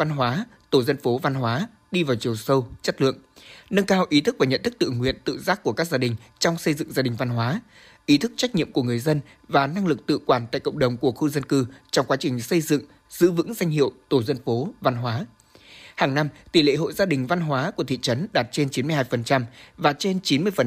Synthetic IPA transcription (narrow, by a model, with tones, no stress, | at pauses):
va˧nɦwaː˨˦ | t̪o˧˩zə˧nfo˨˦va˧nɦwaː˨˦ | ɗi˧vaː˨˩wt͡ɕi˨˩əwsə˧wt͡ɕə˦˥t̚lɨ̰˧˨əŋnə˧nkaː˧wʔi˨˦t̪ɨ˦˥k̚vaː˨˩ɲə̰˧˨nt̪ʰɨ˦˥k̚t̪ɨ̰˧˨ŋwḭ˧˨ənt̪ɨ̰˧˨zaː˦˥k̚ku˧˩əkaː˦˥k̚zaː˧ɗï˨˩ŋ̟t͡ɕɔ˧wŋ͡msə˧jzɨ̰˧˨ŋzaː˧ɗï˨˩ŋ̟va˧nɦwaː˨˦ | ʔi˨˦t̪ʰɨ˦˥k̚t͡ɕa˦˥jk̚ɲḭ˧˨əmku˧˩əŋɨ˨˩əjzə˧n | vaː˨˩na˧ŋlɨ˨˩k̚t̪ɨ̰˧˨kwaː˧˩nt̪a̰ː˧˨jkə̰˧˨wŋ͡mɗə˨˩wŋ͡mku˧˩əxu˧zə˧nkɨ˧t͡ɕɔ˧wŋ͡mkwaː˨˦t͡ɕï˨˩ŋ̟sə˧jzɨ̰˧˨ŋ | z̥ɨ̰˧˥vɨ̰˧˥ŋza˧jŋ̟ɦḭ˧˨əwt̪o˧˩zə˧nfo˨˦va˧nɦwaː˨˦ | haː˨˩ŋna˧mt̪i˨˩lḛ˧˨ɦo̰˧˨jzaː˧ɗï˨˩ŋ̟va˧nɦwaː˨˦ku˧˩ət̪ḭ˧˨t͡ɕə˨˦nɗaː˨˩t̚t͡ɕe˧nt͡ɕi˨˦nmɨ˧əhaː˧jfə˨˩nt͡ɕa˧mvaː˨˩t͡ɕe˧nt͡ɕi˨˦nmɨ˧əjfə˨˩